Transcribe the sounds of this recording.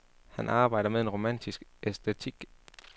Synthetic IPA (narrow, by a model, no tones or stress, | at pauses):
hænʔɑ̈ːb̥ɑ̈ɪ̰ɾɐmeðˠe̝nʁo̝mæn̰dʰisɡ̥ʔesd̥et͡sʰiɡ̥